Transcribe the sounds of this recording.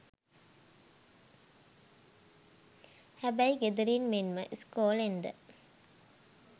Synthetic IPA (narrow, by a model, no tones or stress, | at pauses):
hæbæjɡed̪əɾiːnmenmə̰ʔskoːlend̪ə̰